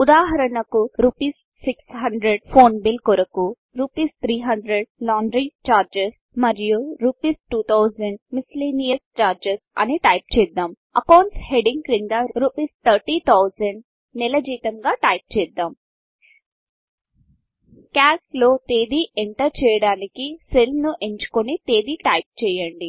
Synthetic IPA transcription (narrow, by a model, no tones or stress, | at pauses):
ud̪aːɦɐɾɐnɐkuɾuːpiːsːiksɦɐɳɖɾeɖpʰoːnbilkɔɾɐku | ɾuːpiːst̪ʰɾiːɦɐɳɖɾeɖ̚laːɳɖɾit͡ʃaːɾd͡ʒes | mɐɾijuɾuːpiːsʈuːt̪ʰɐwzɐɳɖmisliːnijɐst͡ʃaːɾd͡ʒesɐ̰niʈɐjp̚t͡ʃɛːd̪aːm | ɐkɐːnsheɖiŋɡkɾiŋd̪ɐɾuːpiːst̪ʰɐɾʈiːt̪ʰɐwzɐɳɖ | nilɐd͡ʒiːt̪ɐŋɡaːʈɐjp̚t͡ʃɛːd̪ːaːm | kaːslo̞ːt̪eːd̪iːʔeɳʈɐɾt͡ʃɛːjɐɽaːnikiselnuʔeɲt͡ʃu̥konit̪eːd̪iːʈɐjp̚t͡ʃɛːjɐɳɖi